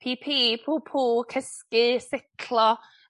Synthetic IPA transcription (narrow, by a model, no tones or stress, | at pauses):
pʰipʰiːpʰuːpʰuːlkʰəskɨsɪtʰlˠɔ